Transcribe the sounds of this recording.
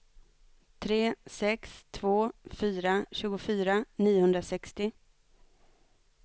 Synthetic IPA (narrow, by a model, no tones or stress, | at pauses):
t̪ʰɾeːsɛkst̪ʰvoːfyːɾaɕʉ̟ːɡʊfyːɾaniːʊhɵnd̪ɾasɛkst̪ɪ